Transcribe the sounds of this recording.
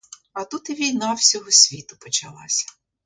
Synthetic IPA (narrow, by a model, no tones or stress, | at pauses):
ɐt̪ut̪ɪʋʲijnɑwsʲɔɦɔsʲʋʲit̪ʊpɔt͡ʃɐlˠɑ̰sʲɐ̥